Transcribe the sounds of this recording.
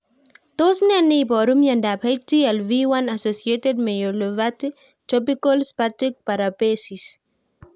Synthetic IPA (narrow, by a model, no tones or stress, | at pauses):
t̪osnɛnejbɔɾumjãndapajtiɛlviwãnasosiet̪ed̚mejolovati | tɾɔpikɔlspatik̚paɾapesis